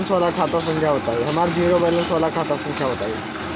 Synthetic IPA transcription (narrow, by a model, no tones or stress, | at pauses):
nsʋəlakʰat̪asəŋkʰjaɦot̪aeɦəmaɾd͡ʑʱiɾobələnsʋəlakʰat̪asə̃ŋkʰjaɦot̪ae